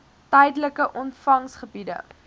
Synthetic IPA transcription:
tɛjdələkəʔɔntfɐŋsχəbidə̰

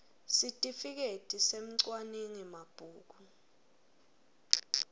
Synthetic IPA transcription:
sitʼifik̬etʼisem̩ǀwaniŋimab̥ʱuːk̬u

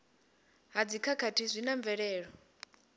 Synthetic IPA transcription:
ɦad͡zikʰakʰatʰizʷinaɱvɛɺɛːɺɔ

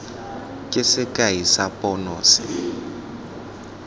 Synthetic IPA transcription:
kʼɪsɪkʼaisapʼɔnɔːsɪ

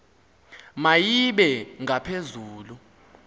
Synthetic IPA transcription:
majiɓɛŋʱapʰezuːlu

